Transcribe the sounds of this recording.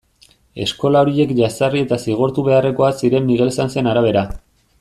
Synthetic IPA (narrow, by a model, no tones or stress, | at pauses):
e̞̰sko̞lao̞ɾie̞kʝasarie̞t̪asiɣ̞oɾt̪uβe̞are̞ko̞asiɾe̞mːiɣ̞e̞lsanse̞naɾaβ̞e̞ɾa